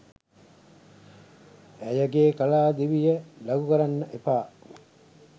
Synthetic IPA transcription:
æjəɡeːkɐlaːd̪iʋijəlɐɡukɐɾanːəʔepaː

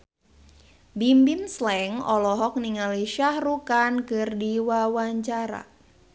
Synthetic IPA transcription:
bimbimslɛŋɔlɔɦɔk̚niŋaliʃahrukankɨrdiwawaɲt͡ʃaɾa̰

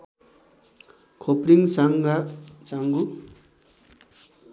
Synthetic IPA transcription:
kʰopɾiŋsaŋɡat͡saŋɡu

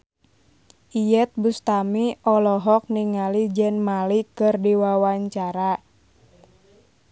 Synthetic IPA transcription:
ʔijɛt̪̚bust̪amiʔɔlɔɦɔk̚niŋalid͡ʒɛnmalikɨrdiwawaɲt͡ʃaɾa

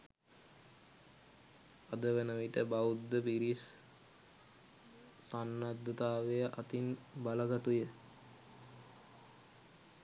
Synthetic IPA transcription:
ad̪əʋenəʋiʈəbaud̪ːəpiɾis | sanːad̪ːət̪aːʋejəʔat̪inbaləɡat̪ujə

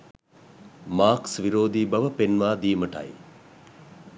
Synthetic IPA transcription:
maːksʋiɾoːd̪iːbɐʋəpenʋaːd̪iːməʈɐ̰j

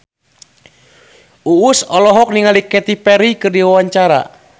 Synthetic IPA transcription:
uːsɔlɔɦɔk̚niŋalikɛt̪ipɛɾikɨrdiwawaɲt͡ʃaɾa̰

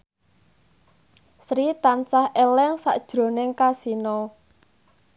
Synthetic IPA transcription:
sɾit̪ansahelɛŋsa̰ʔd̥ʒ̥ɾo̤nɪŋkasinɔ

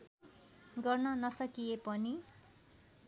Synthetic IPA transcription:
ɡʌrnʌnʌsʌkijepʌni

